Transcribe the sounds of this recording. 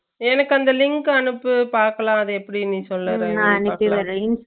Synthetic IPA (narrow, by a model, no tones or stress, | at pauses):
ɛnɐkːɯɐnd̪ɐlɪŋkɯɐnɯpːɯpaːɾkɐlãːɐðɐɛpːɐɽinĩːsɔlːɐɾẽɐnɪkːiʋɐɾɐɪns